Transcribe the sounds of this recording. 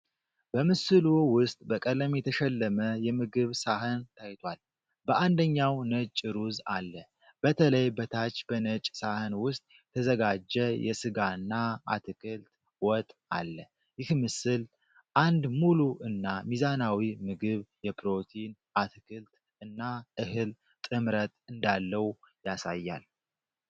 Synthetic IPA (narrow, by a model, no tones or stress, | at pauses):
b̥əmɨsɨluwʊst̪ʼbəkʼələmjɛt̪ʰəʃɛlːəməjɛmɨɡɨβsaɦənt̪ʰajt̪ʰwal | bəʔand̪əɲːawnət͡ʃʼɾuza̰lːə | b̥ət̪ʰələjbət̪ʰat͡ʃːbənət͡ʃʼsahənwʊst̪ʼjɛt̪ʰəzəɡad͡ʒːɛjɛ̰sɨɡaɨnːaa̰t̪ʰɨkʰɨlt̪ | wɔt̪ʼa̰lːə | jɪhmɨsɨl | ʔand̪muluʔɨnːamizanawimɨɡɨβjɛpɾo̞t̪ʰin | at̪ʰɨkʰɨlt̪ | ɨnːaʔɨhɨl | t̪ʼɨmɾət̪ʼɨnd̪alːəwjasajːa̰l